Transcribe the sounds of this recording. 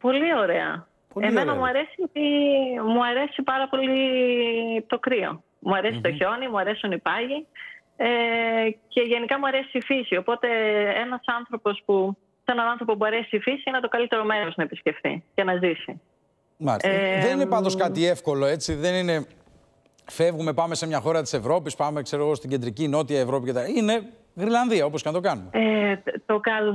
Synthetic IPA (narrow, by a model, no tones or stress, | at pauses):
po̞lio̞ɾe̞ɐ̰ | peme̞nɐmuɐɾe̞siot̪imuɐɾe̞sipɐɾɐpo̞li | t̪o̞kɾio̞̰ | muɐɾe̞si̥t̪o̞ço̞nimuɐɾe̞sionipɐʝi | ece̞ʝe̞nikɐmuɐɾe̞siifisio̞po̞t̪e̞enɐsɐnθɾo̞po̞spu | se̞nɐnɐ̃nθɾo̞pop̬uɐɾesifisiinet̪o̞kɐlit̪e̞ɾo̞me̞ɾooznɐepisce̞ft̪ḭcenɐzisi | mɐiseðeninepɐnd̪o̞skɐt̪ie̞fko̞lo̞e̞t͡siðe̞nine̞ | fe̞vɣume̞pɐme̞semɲɐxo̞ɾɐt̪i̥se̞vɾo̞pispɐme̞kse̞ɾo̞ɣost̪iɟend̪ɾicino̞t̪iɐevɾo̞picet̪iine̞ | ɣɾilɐnðiɐo̞po̞skɐnɐt̪o̞kɐnumeet̪okɐl